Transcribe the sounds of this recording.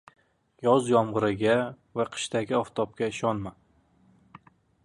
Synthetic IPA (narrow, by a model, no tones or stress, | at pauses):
jɒzjɒmʁɨɾɪɡʲa | vaqʰɨ̥ʃt̪aɡʲɪɒft̪ʰɒp̚kʲaɪʃɒnma